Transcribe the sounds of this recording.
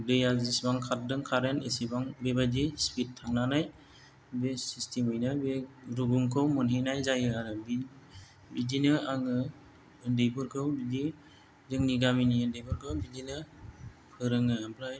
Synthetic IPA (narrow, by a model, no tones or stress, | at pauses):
dɯjazisbaŋkʰat̚dɯŋkʰaɾenesibaŋbebadispit̚tʰːaŋnanaj | besistimɯjnɯbeɾuɡuŋkʰɯwmɯnɦinajzajɯaɾɯbi | bidinɯaŋɯ | ɯndejbɯɾkʰɯwbidi | zɯŋniɡaminiɯndejbɯɾkʰɯwbidinɯ | pʰɯɾɯŋɯbʰɾaj